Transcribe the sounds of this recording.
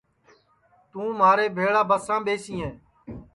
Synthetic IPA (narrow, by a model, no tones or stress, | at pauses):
t̪ũːmaːɾeːbʱeːɭaːbəsãːɓeːsĩːẽː